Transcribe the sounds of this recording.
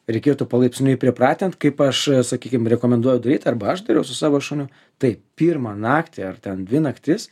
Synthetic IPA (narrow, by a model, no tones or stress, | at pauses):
ɾʲɛɪkʲeːt̪upɐlˠɐɪpʲsʲnʲʊɪpʲɾʲɪpɾɑːt̪ʲɪnt̪kɐɪpɐʃsɐkʲiːkʲɪmɾʲɛkoːmʲɛnd̪uɔjɛʊd̪ɐɾʲiːt̪ɐrbɐɐʃd̪ɐɾʲɛʊsʊsɑːʋoːʃunʲʊ | t̪ɐɪpʲiːrmɑnɑːkt̪ʲɪɐrt̪ʲɛndʲʋʲɪnɐkt̪ʲɪs